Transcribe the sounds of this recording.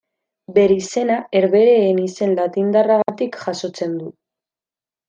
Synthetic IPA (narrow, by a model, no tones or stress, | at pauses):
be̞ɾise̞nae̞ɾβe̞ɾe̞ːnise̞nlat̪ind̪araɣat̪ikʝaso̞t͡se̞nd̪u